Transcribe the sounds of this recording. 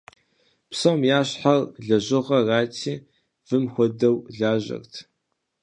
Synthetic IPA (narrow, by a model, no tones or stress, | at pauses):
psɐwmjaːɕħarɮɐʑɪʁɐraːtʰiː | vɨmxʷɔdɐwɮaːʑɐ̰rtʰ